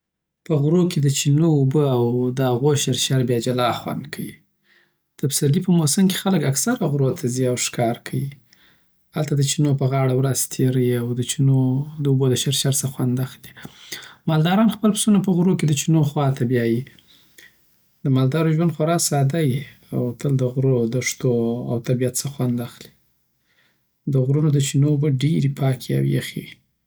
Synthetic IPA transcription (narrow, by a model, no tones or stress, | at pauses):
pəɣɾoked̪ət͡ʃinoubəawd̪əhaɣoʃaɾʃaɾbjɑd͡ʒalɑxwa̰nd̪kʰawi | d̪̥əpsaɾd̪ipəmosəmke̥xaləkaksaɾaɣɾot̪ʰaziawʂkɑɾkʰaji | halt̪ad̪ət͡ʃinopəɣɑɽawɾazt̪ʰeɾəjiawd̪ət͡ʃinod̪əubod̪əʃaɾʃaɾsaxwand̪axd̪i | mɑld̪ɑɾɑnxpəlpsunapəɣɾoked̪ət͡ʃinoxwɑt̪ʰabjɑji | d̪əmɑld̪ɑɾoʒwand̪xoɾɑsɑd̪ajiawt̪əld̪əɣɾod̪əʂt̪oa̰wt̪abijat̪səxwand̪axli̥ | d̪əɣɾunod̪ət͡ʃinoːbəɖeɾipɑkʰia̰wj̰ja̰xḛwi